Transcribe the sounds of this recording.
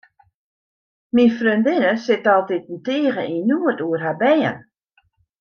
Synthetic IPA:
minfrøndɪnəsɪtɔlˠtit̚n̩teːɣəʔinuətuərɦabɛːə̰n

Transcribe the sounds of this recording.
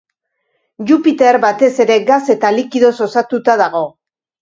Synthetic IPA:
ʝupit̪e̞ɾbat̪e̞se̞ɾe̞ɡase̞t̪alikiðo̞so̞sat̪ut̪aðaɣ̞o̞

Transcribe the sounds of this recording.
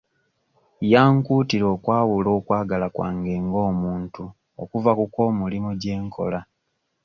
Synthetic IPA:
jaːŋkuːtiɾo̞ːkwaːwulo̞ːkwaːɡalakwa̰ːŋɡe̞ːŋɡo̞ːmuːntu | o̰kuvakuko̞ːmulimuɟe̞ːŋkʰo̞̰la

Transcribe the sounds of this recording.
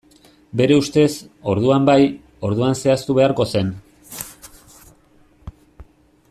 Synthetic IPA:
be̞ɾe̞ust̪e̞so̞ɾðuambaj | o̞ɾðuanse̞ast̪uβe̞aɾko̞se̞n

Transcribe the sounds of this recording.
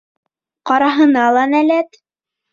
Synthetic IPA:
qɑɾɑɦɤ̆nɑlˠɑnælæt̪

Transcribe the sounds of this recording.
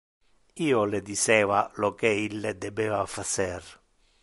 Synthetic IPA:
iːoled̪isɛːvalɔkɛilːed̪ɛbɛːvafasɛr

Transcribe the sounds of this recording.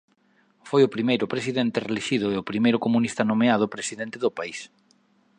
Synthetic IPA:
fojʊpɾimejɾʊpɾesiðent̪ɪreliʃiðʊeopɾimejɾʊkomunist̪anomeaðʊpɾesiðent̪eðʊpais

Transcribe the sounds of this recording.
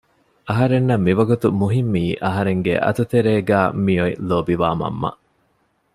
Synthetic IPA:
ɐɦɐɾenːɐmːiʋɐɡut̪umuɦimːiːʔɐɦɐɾeŋɡḛʔɐ̰t̪ut̪eɾeːɡæːmijoiloːbiʋaːmɐ̰mːɐ̰ʔ

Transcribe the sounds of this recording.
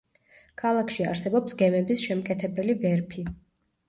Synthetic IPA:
kʰalˠakʰʃia̰ɾsɛbɔpsɡɛmɛbisʃɛmkʼɛt̪ʰɛbɛlibɛɾpʰi

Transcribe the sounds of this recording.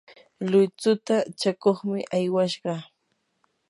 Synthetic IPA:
lʊjt͡sʊt̪at͡ʃakoχmɪʔajwaʃɢɑ

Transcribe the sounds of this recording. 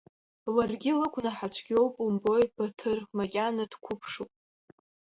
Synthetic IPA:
larɡʲɪlɨkʷʰʼnaħat͡ɕʷʰɡʲo̞wpʼumbojb̥atʰɨrmakʲʼanad̥kʷʰʊpʰʂupʼ

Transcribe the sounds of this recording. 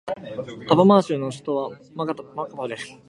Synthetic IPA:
t̪abamaːɕɨnoɕɨ̥t̪oβa | makat̪makat̪ad̪esɨ̥

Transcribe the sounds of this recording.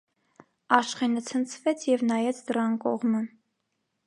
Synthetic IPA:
ɑʃχɛnət͡sʰənt͡sʰvɛt͡sʰjɛvnɑjɛt͡sʰd̪əɾɑnkɔʁmə

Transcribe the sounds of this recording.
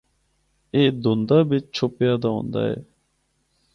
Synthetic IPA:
eːd̪ond̪aːbɪt͡ʃt͡ʃʰʊpjaːd̪aːɦõ̰ːnd̪a̰ːɛ̰ː

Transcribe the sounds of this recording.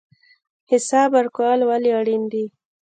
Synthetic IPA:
hɪsɑbaɾkwɑlwaliaɽind̪i

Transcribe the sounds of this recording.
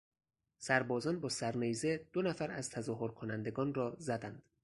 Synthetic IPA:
sæɾbɒːzɒːnbɒːsæɾnejze̞d̪̥onæfæɾæz̥t̪ʰæzɒːɦoɾkʰonænd̪e̞ɡɒːnrɒːzæd̪ænd̪̥

